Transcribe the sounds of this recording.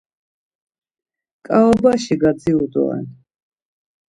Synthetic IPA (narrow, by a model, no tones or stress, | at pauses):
kʼaɔbaʃiɡad̪ziud̪ɔ̰ɛ̰n